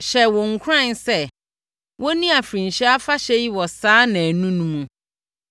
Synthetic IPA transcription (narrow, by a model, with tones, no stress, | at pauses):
ɕɛ˨wɔ˨ŋ̩˨kʰʊ˦ɾã˦˨nsɛ˦ | wʔɔ˦nĩ˦a˨fɾĩ˨n˨ɕɛ˦a˦fa˦ɕɛ˦ji˦wɔ˨saː˦nã˨æ˨nũ˦nũ˦mũ˨